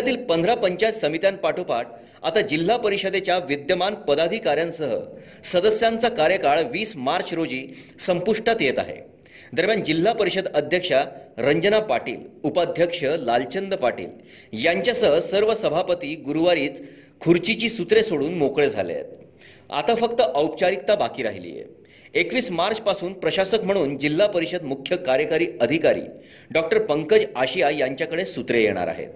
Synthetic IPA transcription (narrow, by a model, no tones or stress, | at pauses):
t̪iːlpənd̪ɾapəɲt͡ɕajt̪səmit̪janpaʈʰupaʈ̚ | a̰t̪ad͡ʑil̤ːapəɾiɕəd̪et͡ɕjaʋid̪jəmanpəd̪ad̪ʱikaɾjãnsəɦə̰ | səd̪əsjant͡sakaɾjəkaɭʋiːsmaɾt͡ɕɾod͡ʑiːsəmpuʂʈat̪jet̪a̰ɦḛ | d̪əɾmjand͡ʑil̤ːapəɾiɕəd̪əd̪ʱjəkʂaɾəɲd͡ʑənapaʈḭːlupad̪ʱjəkʂəlalt͡ɕənd̪əpaʈḭːl | jaɲt͡ɕjasəɦsəɾʋəsəbʱapət̪iːɡuɾuʋaɾiːt͡s | kʰuɾt͡ɕit͡ɕiːsut̪ɾesoɽuːnmokɭed͡zʱa̰l̰ḛt̪̚ | a̰t̪afəkt̪əʔəwp̚t͡ɕaɾik̚t̪abakiːɾa̰ɦilḭːjḛ | ekʋiːsmaɾt͡ɕpasuːnpɾəɕasəkm̤əɽ̃uːnd͡ʑil̤ːapəɾiɕəd̪mukʰjəkaɾjəkaɾiːəd̪ʱikaɾḭː | ɖɔk̚ʈəɾpəŋkəd͡ʑaɕijajaɲt͡ɕjakəɽesut̪ɾejḛɽ̃a̰ɾa̰ɦḛ